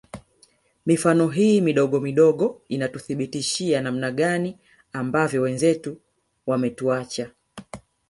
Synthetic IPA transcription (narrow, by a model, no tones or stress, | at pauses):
mifanɔɦiːmiɗɔɠɔmiɗɔɠɔinatuθiɓitiʃianam̩naɠani | ambavjɔwɛnzɛtu | wamɛtuat͡ʃa